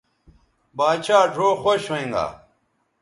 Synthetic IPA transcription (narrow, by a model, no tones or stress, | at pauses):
baːt͡ɕʰaːɖʰʱoːxoɕeĩŋɡa̰ː